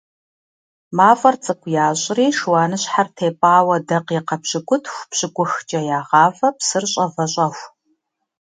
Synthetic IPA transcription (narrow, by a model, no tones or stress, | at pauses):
maːfɐrt͡sʼɨkʷʼjaːɕʼriːʂwaːnɨɕħartʰeːpʼaːwɐdɐqiːqɐpɕɪkʷʊtʰxʷpɕɪɡʷʊxt͡ʃʼɐjaːʁɑːvɐpsɨrɕʼɐvɐɕʼɐxʷ